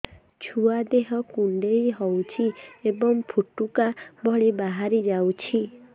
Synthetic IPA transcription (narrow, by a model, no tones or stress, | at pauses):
t͡ʃʰuad̪eɦɔkuɳɖejɦɔwt͡ʃʰiebɔŋpʰuʈukabʱɔɭibaɦaɾid͡ʒawt͡ʃʰi